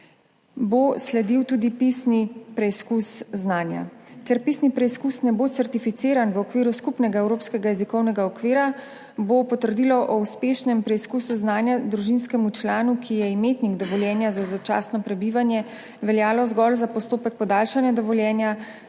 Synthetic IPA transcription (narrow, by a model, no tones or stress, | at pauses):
boslɛd̪iwt̪uːd̪ipisnipɾɛiskusznaːnja̰kɛɾpisnipɾɛiskusnɛbot̪ɛɾt̪ifit̪seːɾanʋɔkʋiːɾuskupnɛɡaɛwɾoːpskɛɡajɛzikɔwnɛɡaɔkʋiːɾa | bopɔt̪əɾd̪iːlɔʔɔuspeːʃnɛmpɾɛiskusuznaːnjad̪ɾuʒinskɛmut͡ʃlaːnukʰijɛimeːt̪niɡd̪ɔʋɔljɛːnjazazat͡ʃa̰ːsnɔpɾɛbiʋanjɛ | ʋɛljaːlɔzɡɔlzapɔst̪oːpɛk̚pɔd̪aːlʃanjad̪ɔʋɔljɛːnja